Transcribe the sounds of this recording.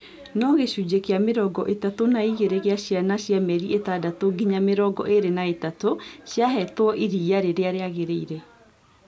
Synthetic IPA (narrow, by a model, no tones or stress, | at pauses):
nɔɣeɕud͡ʑekeameɾɔɡɔʔetatonaiɣeɾeɣeaɕjanaɕjamɛɾiʔetadatoɡiɲameɾɔɡɔ̰ʔeɾenaetatoɕjaɦɛtwɔʔiɾiaɾeɾeaɾeaɣeɾeiɾe